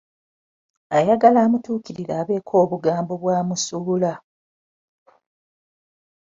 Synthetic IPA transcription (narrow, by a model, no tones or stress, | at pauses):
ajaɡalaːmutuːkiɾiɾaːβe̞ːkʰo̞ːβuɡaːmbo̞βwaːmusuːla